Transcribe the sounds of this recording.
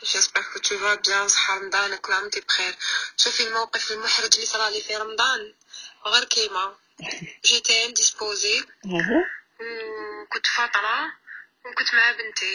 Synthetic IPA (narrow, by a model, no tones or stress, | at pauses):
fæsbækut̪ːuvæbjæwsˤħɑɾˤɑmd̪ˤɑnəklɑmt̪ibxiɾʃufilmæwqəfləlmʊħɾəd͡ʒlisɑlɑlifiɾˤɑmd̪ˤɑn | ɣiɾkima | ʒit̪ænd̪ispozi | wkʊnt̪fɑt̪ˤɾˤɑ | wkʊnt̪maʕabənt̪i